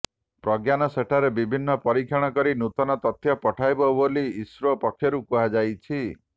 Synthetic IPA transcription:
pɾɔɡjanɔseʈʰaɾebibʱinːɔpɔɾikʰjaɔɽ̃ɔkɔɾinut̪ɔnɔt̪ɔt̪ʰjɔpɔʈʰajbɔboliːsɾɔpɔkʰːjɔɾukuɦad͡ʒajt͡ʃʰi

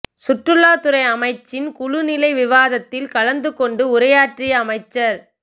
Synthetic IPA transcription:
sʊʈrɯlaːt̪ʊɾɐɪɐmɐɪt͡ʃːɪnkʊɻʊnɪlɐɪʋɪʋaːðɐt̪ːɪlkɐlɐnd̪ɯkɔɳɖɯʊɾɐjaːʈrɪjɐɐːmɐɪt͡ʃːɐɾ

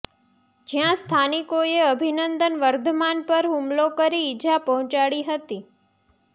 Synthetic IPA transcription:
d͡ʒjãst̪ʰanikoeəbʱinənd̪ənʋəɾd̪ʱəmanpəɾɦumlokəɾiːd͡ʒʱapəɦɔ̃t͡ʃaɽiɦət̪i

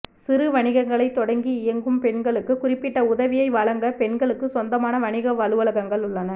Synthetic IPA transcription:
sɪɾɯʋɐɳɪɣɐŋɡɐɭɐɪt̪ːɔɽɐŋɡiɪjɐŋɡɯmpɛɳɡɐɭɯkːɯkʊrɪpːɪʈːɐʊðɐʋɪjɐɪʋɐɭɐŋɡɐpɛɳɡɐɭɯkːɯsɔnd̪ɐmaːnɐʋɐɳɪɣɐʋɐlɯʋɐɭɐɣɐŋɡɐɭʊɭːɐnɐ

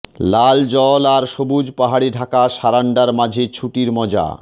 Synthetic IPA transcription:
lald͡ʑɔlaɾʃobud͡ʑpaɦaɽiɖʱakaʃaɾaɳɖaɾmad͡ʑʱet͡ɕʰuʈiɾmɔd͡ʑa̰

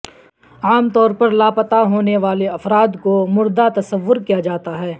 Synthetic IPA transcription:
aːmt̪ɔːɾpɐɾlaːpət̪aɦoːneʋaːleɐfɾaːd̪komʊɾd̪at̪ɐsəʋːʊɾkijad͡ʒaːt̪aɦɛː

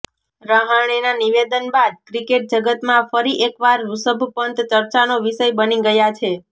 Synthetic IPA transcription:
ɾəɦəɳ̃inaniʋed̪ənbad̪̚kɾikeʈ̚d͡ʒəɡət̪mãfəɾiʔekʋaɾɾusəbʱpənt̪t͡ʃəɾt͡ʃanoʋiʃəjbəniɡəjat͡ʃʰe

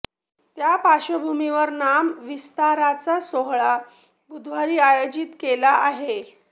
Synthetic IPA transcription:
t̪japaɕəbʱumiʋəɾnamʋist̪aɾat͡sasoɦɭa | bud̪ʱʋaɾiːajod͡ʑit̪kelaʔaɦe

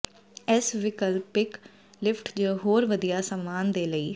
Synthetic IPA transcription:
ɪsʋɪkəlpɪk | lɪpʰʈd͡ʒəɦoːɾʋəd̪ijaːsəmːaːnd̪eːləiː

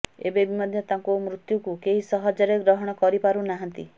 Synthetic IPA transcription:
ḛbebimɔd̪ʱjɔt̪aŋkomɾut̪jukukeɦisɔɦɔd͡ʒɔɾeɡɾɔɦɔɽ̃ɔkɔɾipaɾunaɦant̪ḭ

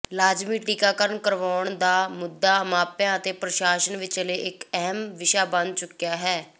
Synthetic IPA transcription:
laːd͡ʒmiːʈiːkaːkəɾənkəɾʋaːɳd̪aːmʊd̪ːaːmaːpjãːət̪eːpɾəʃaːʃənʋɪt͡ʃəleːʔɪkɛɦəmʋɪʃaːbən̚t͡ʃʊkːjaːɦɛː

